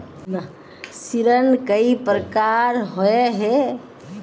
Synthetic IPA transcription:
n | siɾənkəipɾəkaɾɦɔeɦɛ

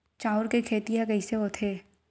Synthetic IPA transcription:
t͡ʃaːʊɾkekʰeːt̪iɦakɐiseʋot̪ʰeː

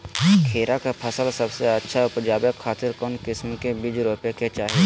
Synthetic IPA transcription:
kʰeːɾakapʰəsəlsəbseətːʃʰaʊpd͡ʒaːbjəkʰːaːt̪ɪɾkɔːnkɪsmkebɪd͡ʒɾoːpeket͡ʃaːɦie

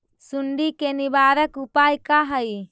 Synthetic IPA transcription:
suɳɖikenibaɾəkupajkaɦəj

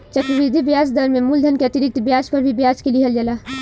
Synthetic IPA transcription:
t͡ʃəkɾʋid̪ʱibjad͡ʒd̪əɾmemuld̪ʱənkeət̪iɾik̚t̪bjad͡ʒpəɾbʱibjad͡ʒkeliɦəld͡ʒɛla

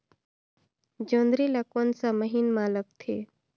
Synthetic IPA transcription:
d͡ʒõːnd̪ɾilakonsaməɦinmaːlək̚t̪ʰeː

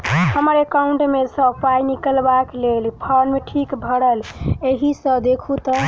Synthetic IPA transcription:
həməɾekauɳʈmesə̃pajnikəlbaklelpʰəɾmeʈʰikbʱəɽəleɦisə̃d̪ekʰut̪ə

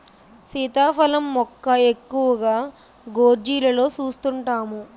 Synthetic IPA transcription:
sit̪aːpɐlɐmːɔkːɐe̞kːuʋɐɡaː | ɡoːɾd͡ʒiːlɐlo̞ːt͡ʃuːst̪uɳʈaːmu

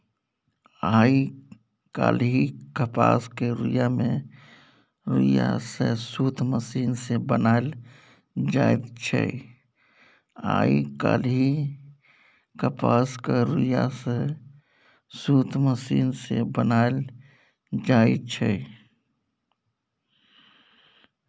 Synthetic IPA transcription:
aːi | ka̰ːlɦikəpa̰ːskeɾujamẽ | ɾuja̰sesuːt̪ʰməsiːnsebənaːl | d͡ʒaːɪd̪t͡ʃʰɛ̰ | a̰ːikaːlɦi | kəpaːskeɾujase | suːt̪ʰməsiːnsebənaːl | d͡ʒaːit͡ʃʰɛ

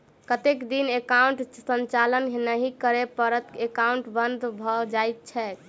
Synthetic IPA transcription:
kət̪ekd̪inekauɳʈsənt͡ʃalənɦenəɦikəɾepəɾət̪ekauɳʈbənd̪ʱbʱɔd͡ʒajt̪̚t͡ʃʰɛ

